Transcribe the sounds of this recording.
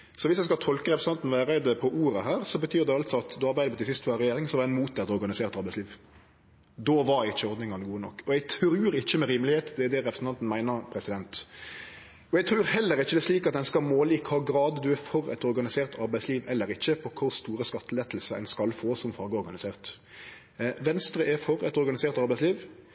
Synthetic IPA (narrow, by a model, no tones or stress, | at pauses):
sɔʋɪsjɛɪskɑlt̪ʰɔlkəɾɛpɾəs̩ɑnt̪n̩ʋæːɾɛɪd̪əpʰɔʔuːɾəɦæːɾsɔbət̪ʰyːɾd̪ɛɑlt̪sɔɑt̪d̪ɔɑɾbæɪd̪əbɔt̪ɪsɪst̪ʋɑːɛɾɛjeːɾɪŋsɔʋɑɛnmuːt̪̚d̪ɛt̪ɔɾɡɑnɪseːʁt̪ɑɾbæɪsliːʋ | d̪oːʋɑɾɪçːəɔɾd̪nɪŋɑnəɡuːənɔ̰kːɔɛɡt̪ʰɾʉːɾɪçːəmɛɾiːməlɪheːt̪d̪ɛæd̪ɛɾɛpɾəsn̩ɑnt̪n̩mæɪnəɾpʰɾɛsɪd̪ɛnt̪ | ɔɛɡt̪ʰɾʉːɾhɛlːəɾɪçːəd̪ɛsliːkɑt̪̚d̪ɛnskɑlmoːliːkʰhɑːɡɾɑːd̪d̪ʉæɾfɔɾɛ̰t̪ɔɾɡɑnɪseːʁt̪ʰɑɾbæɪsliːʋɛlːəɾɪçːəpʰɔkʰʊɾst̪uːɾəskɑt̪ːəlɛt̪l̩səɛ̰nskɑlfoːsɔmfɑɾɡəɔɾɡɑnɪseːʁt̪ | ʋɛnst̪ɾəʔæɾfɔɾɛt̪ɔɾɡɑnɪseːʁt̪ɑɾbæɪsliːʋ